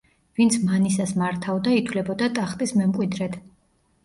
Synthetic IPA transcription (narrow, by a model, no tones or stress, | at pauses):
vint̪sʰmanisasmaɾt̪ʰavd̪ait̪ʰvlɛbɔd̪at̪ʼaχt̪ʼismɛmkʼwid̪ɾɛt̪ʰ